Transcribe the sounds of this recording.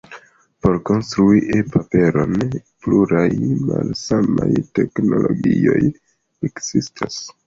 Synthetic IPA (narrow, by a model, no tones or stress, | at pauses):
po̞ɾko̞nstɾuiʔepape̞ɾo̞npluɾajmalsamajte̞kno̞lo̞ɡio̞j | ekz̥istʰas